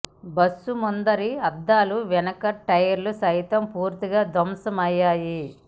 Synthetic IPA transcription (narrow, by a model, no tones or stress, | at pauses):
bɐsːumund̪ɐɾiɐd̪ːaːluʋɛnɐkɐʈɐjɐɾlusɐjt̪ɐmpuːɾt̪iɡaːd̪ʱɐmsɐmɐjːaːji